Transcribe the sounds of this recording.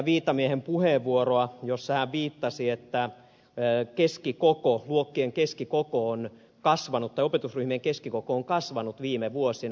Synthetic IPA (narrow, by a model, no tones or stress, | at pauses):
ʋiːt̪ːɑmiehempuheʋʋuoroɑjosːɑhæʋʋiːt̪ːɑsiet̪ːæ | keskikokoluokːieŋkeskikokoon | kɑsʋɑnut̪ːɑjopet̪usryhmieŋkeskikokoːŋkɑsʋɑnut̪ʋiːmeʋuosin